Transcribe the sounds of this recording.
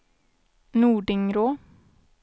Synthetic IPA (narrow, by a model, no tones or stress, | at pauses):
nuːɖɪŋɾoː